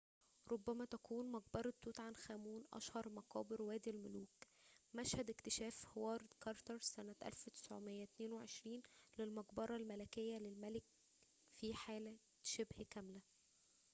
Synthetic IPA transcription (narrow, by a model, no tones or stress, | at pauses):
ɾʔobːæmæt̪ækʰuːnmɑɡbɑɾˤt̪ːuːt̪ʕanxæːmuːnʔɑ̰ʃhɑɾˤmɑqɑ̰ːbeɾwæːd̪lmʊluːk | mæʃhæd̪ɪkt̪ɪʃæːfhwɑːɾˤd̪kɑɾˤt̪ɑɾˤsænæt̪ʔæ̰lfwet̪ɪ̥sʕo̰mejːæt̪neːnweʕeʃɾiːnlelmɑɡbɑɾˤɑlmælækejːælelmælɪk̚ | fiħaːlæ | ʃebhkæmlæ